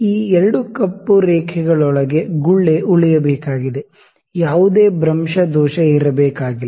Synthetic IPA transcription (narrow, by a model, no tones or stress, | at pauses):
iːɛɾɐɽukɐpːuɾɛːkʰɛɡɐɭɔɭɐɡe̞ɡuɭːe̞ʔuɭijɐbɛːkaːɡid̪e̞ | jaːʋud̪eːbɾɐmʂɐd̪ɔːʃɐiɾɐbɛːkaːɡil